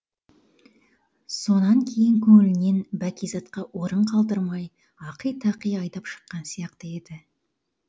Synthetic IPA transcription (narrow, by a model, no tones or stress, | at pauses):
so̞nɑŋkʲʰe̞jɪŋkʲʰɵŋɪlɪne̞nbækʲijzɑt̪qɑʔwo̞ɾəɴqʰɑlˠd̪əɾmɑj | ɑqəjt̪ʰɑqəjɑjd̪ɑpʃə̥qːɑnsijɑqt̪əe̞d̪ɪ